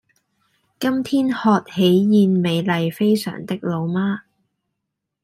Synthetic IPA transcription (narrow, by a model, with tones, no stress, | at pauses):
kɐ˥mt̪ʰiː˥nhɔː˨˧t̚he˨˥jjiː˨˧nme˨˧jlɐ˨jfe˥jsœ̰ː˨˩ŋt̪ɪ˥k̚lo˨˧wmaː˥